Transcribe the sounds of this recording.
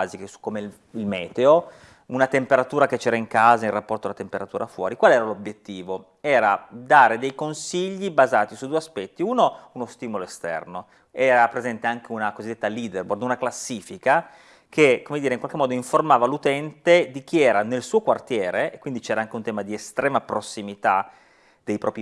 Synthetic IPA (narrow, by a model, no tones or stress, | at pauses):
zikesu̥kːome | ilmɛːt̪eo | unat̪empeɾat̪uːɾaket͡ʃːɛːɾaiŋkaːzairapːɔrt̪oalat̪empeɾat̪uːɾafwɔ̰ːɾikwaleɛːɾalobjet̪ːiːvo | ɛːɾad̪aːɾed̪ejkonsiʎːibazaːt̪isud̪uːeaspɛt̪ːiuːnounost̪iːmoloest̪ɛ̰rno | ɛːɾapɾezɛnt̪eaŋk̟eunakozid̪ːet̪ːaliːd̪erbord̪unaklasːiːfika | kʰekomed̪iːɾeiŋkwalkemːɔːd̪oiɱformaːvalut̪ɛnt̪ed̪ik̟iɛːɾanelsuːokwart̪jɛːɾeekwind̪it͡ʃɛːɾaaŋk̟eunt̪ɛːmad̪iest̪ɾɛːmapɾosːimit̪a | d̪̥ejpɾɔːpɾi